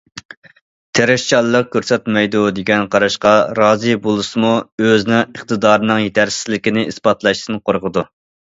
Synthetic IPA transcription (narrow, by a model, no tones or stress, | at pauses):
t̪ʰeɾɛʃt͡ʃɑlˠːəq̚kʲʰøɾsɛt̪mɛjd̪ud̪eɡʲɛnqʰɑɾɑʃqɑɾɑːzɨbolˠɨsɨmuøznɪŋəχt̪ʰɨd̪ɑːɾɨnɨŋjet̪ʰæɾsɪ̥zlɪkʲinɪʔispɑt̪lˠɑʃt̪ɨnqʰoɾʁəd̪u